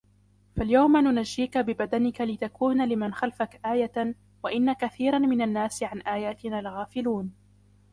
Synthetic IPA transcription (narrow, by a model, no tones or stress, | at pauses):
faljawmanʊnaʒːiːkabɪbad̪anɪkalɪt̪akuːnalɪmanxalfakʔaːja | waʔɪnːakaθiːɾˤanmɪnanːaːsɪʕanʔaːjaːt̪ɪnaːlɣaːfɪluːn